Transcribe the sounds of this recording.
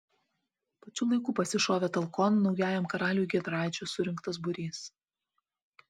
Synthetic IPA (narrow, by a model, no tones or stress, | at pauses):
pɐt͡ʃʲuːlˠɐɪkuːpɐsʲɪʃoːʋʲɛt̪ɐlˠkɔnːɒʊjæːjɛmkɐɾɑːlʲuːɡʲid̪ɾɑːˑɪt͡ʃʲusʊɾʲɪŋˑkt̪ɐs̬bʊɾʲiːs